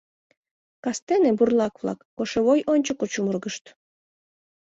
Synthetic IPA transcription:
kɑst̪eneburlˠɑkβlɑ̰kːoʃeβojʔonʲt͡ɕokot͡ɕumurɣəʃt̪

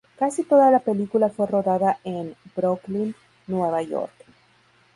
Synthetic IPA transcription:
kasit̪o̞ðalape̞likulafwe̞ro̞ðaðaʔenbɾoklin | nweβaʝo̞̰ɾk

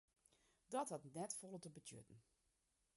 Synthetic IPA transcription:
dɔthɑtnɛtfɔlˠətəbətʰjø̰tn̩

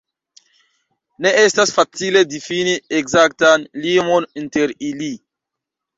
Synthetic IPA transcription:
neʔestasfat͡siledifinieɡzak̚tanlimoninteɾili

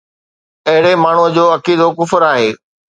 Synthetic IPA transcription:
ɐɦɪɽemaːɳ̤uəd͡ʑoːɐkiːd̪okʊfɾaːɦeː

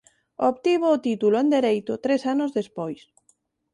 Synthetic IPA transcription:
oβt̪iβoːt̪it̪uloend̪eɾejt̪ʊt̪ɾesanʊzðespojs

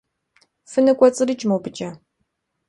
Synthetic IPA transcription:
fɨnɨkʷʼɔt͡sʼɨrɨt͡ʃʼmɐwbɨt͡ʃʼɐ

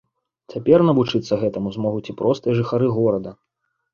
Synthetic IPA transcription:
t͡sʲapʲɛrnɐvut͡ʂɨt̪sːɐɣɛt̪ɐmuzmɔɣut͡sʲipɾɔst̪ɨjɐʐɨxaɾɨɣɔɾɐd̪ɐ

